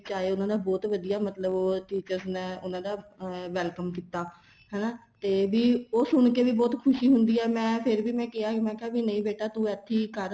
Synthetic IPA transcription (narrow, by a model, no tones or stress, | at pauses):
t͡ʃaːeːʊnãːd̪aːbɔːt̪ʋəd̪ijaːmət̪ləboːʈiːt͡ʃəɾznɛʊnãːd̪aːʋɛːlkəmkiːt̪ːaː | ɦɛːnaːt̪eːʋiːoːsʊɳkeːʋiːbɔːt̪kʰʊʃiːɦʊnd̪iːɛːmɛ̃ːpʰɪɾʋiːmɛ̃ːkɪaːkmɛ̃ːkeaːbiːnəĩːbeːʈaːt̪ũːɛːt̪ʰːiːkəɾ